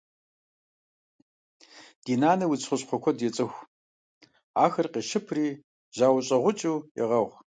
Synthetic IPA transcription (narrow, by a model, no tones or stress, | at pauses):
d̥iːnaːnɐwʊt͡sʰχʷʊɕʼqʷʰɔkʷʰɔdjɛt͡sʼɨxʷ | aːxɐrqiːʃɪpʰriː | ʑaːwʊɕʼɐʁʷʊt͡ʃʼuːjɛ̰ʁɐʁʷ